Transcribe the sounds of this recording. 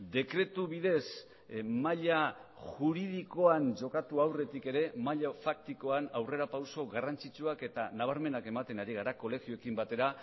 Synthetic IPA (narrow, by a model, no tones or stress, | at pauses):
d̪e̞kɾe̞t̪uβiðe̞s | maʎaʝuɾiðiko̞and͡ʒo̞kat̪uawre̞t̪ike̞ɾe̞maʎafak̚t̪iko̞anawre̞ɾapawso̞ɣarant͡sit͡ʃuake̞t̪anaβ̞aɾme̞nake̞mat̪e̞naɾiɣ̞aɾako̞le̞xioekimbat̪e̞ɾa